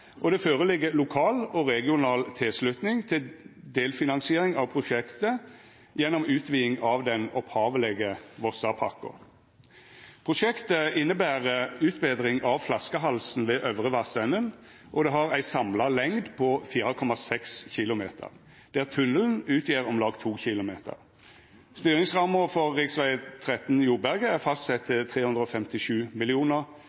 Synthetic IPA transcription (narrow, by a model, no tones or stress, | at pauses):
ʔɔd̪ɛføːʁəlɪɡːəlʊkʰɑːlɔʁɛɡɪʊnɑːlt̪ʰɪlslʉt̪nɪŋt̪ʰɪld̪eːlfɪnɑnsɪeːɾɪŋɑʋpʰʁʊʃɛkt̪ə | jɛnːɔmʉːt̪ʰʋiːɪŋɑʋd̪ɛnɔphɑːʋəlɛɡəʋɔsɑpʰɑ̰kːʊ̰ | pʰʁʊʃɛkt̪əɪnːəbæːʁəʉːt̪beːd̪ʁɪŋʔɑʋflɑskəɦɑlsn̩ʋeːʔœʋʁəʋɑsɛnən | ʔɔd̪ɛɦɑʁæɪsɑmlɑlɛŋd̪pʰɔfiːʁəkʰɔmɑsɛksçɪlʊmeːt̪ʰə̰ʁ | d̪̥æʁt̪ʰʉnəln̩ʉːt̪ʰjiːʁɔmlɑːɡt̪ʰuːçɪlʊmeːt̪ʰə̰ʁ | st̪yːɾɪŋsʁɑməfɔʁːɪksʋæɪt̪ʰʁɛt̪njuːbæʁɡəæʁfɑst̪sɛt̪ʰːɪt̪ʰʁeːhʉnd̪ʁəɔːfɛmt̪ɪʃʉːmɪlɪuːnəʁ